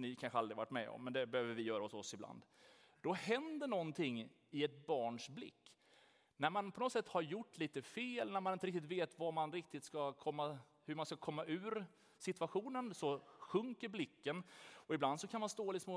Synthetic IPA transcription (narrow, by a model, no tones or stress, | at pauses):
nɪkʰanɧəalɾɪvaʈːmɛ̰ɔ̰mːɛnd̪ɛbɛhøːvəɾvɪjœːɾaʊsɔsːɪbla̰nd̪ | d̪̥ɔhɛnd̪əɳɔnt̪ʰɪŋː | ɪɛt̪̚bɑːɳʂblɪ̰kː | næɾmanpʰɔnɔt̪ːsɛt̪ːhaɾjʊʈːliːt̪əfeːlnæɾmanɪnt̪əɾɪk̚t̪ɪt̪veːt̪vamanɾɪk̚t̪ɪt̪skakʰɔmːa | hɵɾmanskakʰɔmːaʔʉ̟ːɾ | sɪt̪vaɧuːnənsɔɧɵŋkəɾblɪkːənɔɪbland̪sɔkʰanmanst̪oːlɪsmo